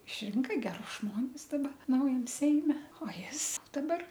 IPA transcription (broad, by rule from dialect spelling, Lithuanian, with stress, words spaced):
ɪʃʲˈrʲɪŋkɐ ɡʲɛˈrʊs ˈʒmoːnʲɪs dɐˈbɐ ˈnɐʊjɛm ˈsʲɛɪmʲɛ oː ˈjɪs dɐˈbɐr